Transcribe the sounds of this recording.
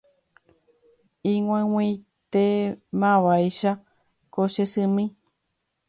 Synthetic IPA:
ĩŋʷãw̃ĩj | t̪emãβajʃa | koʃesɨmĩ

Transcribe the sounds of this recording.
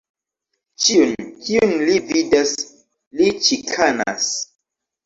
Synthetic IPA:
t͡ʃiunkiunlividas | lit͡ʃikʰana̰s

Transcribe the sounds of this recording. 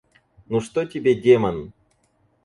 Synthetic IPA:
nuʂt̪otʲɪbʲedʲemɐn

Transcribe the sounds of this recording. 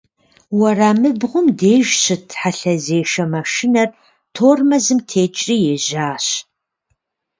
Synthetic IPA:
wɐraːmɨbʁʷʊmdeːʒɕɨtʰħaɬɐzeːʃɐmɐʃɪnɐr | tʰoːrmɐzɨmtʰeːt͡ʃʼriːjeʑaːɕ

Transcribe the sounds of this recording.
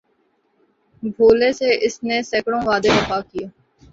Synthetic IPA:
bʱoːleseʔɪsnesɛkɽõʋaːd̪ed̪ɐpakijaː

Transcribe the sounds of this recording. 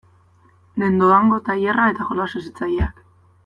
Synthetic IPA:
le̞nd̪oaŋɡo̞t̪ajerae̞t̪axolasesit͡sajeak

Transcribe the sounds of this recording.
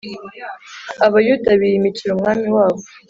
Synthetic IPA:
aβajudaβijimiciɾumŋaːmiwaːβo̥

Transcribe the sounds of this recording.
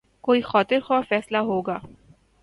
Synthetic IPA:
koːixɔːt̪ɪɾxɔːɾfɛːslaɦoːɡaː

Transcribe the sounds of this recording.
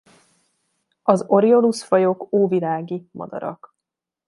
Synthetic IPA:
ɒzo̞ɾio̞lusfɒjokoːvilaːɡimʔɒ̰d̪ɒ̰ɾɒ̰k

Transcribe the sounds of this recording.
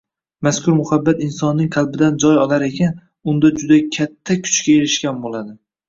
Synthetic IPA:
maskʰʊɾmʊhabːat̪ɪnsɒnːɪŋqʰɑlˠbɪd̪and͡ʒɒjɒlaɾe̞kʲan | ʊnd̪ad͡ʒʊd̪akʲʰat̪ʰːakʲʰʊ̥t͡ʃkʲaeɾɪʃkʲanbolad̪ɪ

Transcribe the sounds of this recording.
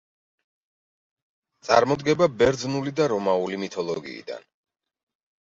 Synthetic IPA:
t̪sʼa̰ɾmɔd̪ɡɛbabɛɾd̪znulid̪aɾɔmaulimit̪ʰɔlˠɔɡḭːd̪a̰n

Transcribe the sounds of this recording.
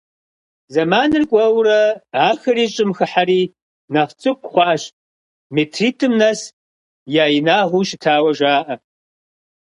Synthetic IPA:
zɐmaːnɨrkʷʼɐwrɐaːxɐriːt͡ʃʼɨmxɨħaɾiː | nɐχt͡sʼɨkʷʰʼχʷɑːɕ | metʰriːtʰɨmnɐs | jaːjinaːʁʷuʃɪtʰaːwɐʒaːʔɐ

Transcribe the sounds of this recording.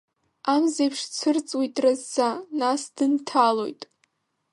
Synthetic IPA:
amzejpʰʂt͡sʷʰɨrt͡sʼwitʼrazːanasd̥ɨntʰalo̞̰jtʼ

